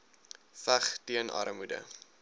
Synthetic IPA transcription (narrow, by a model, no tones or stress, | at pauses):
fæχtiənʔɐ̰ɾəmudə̰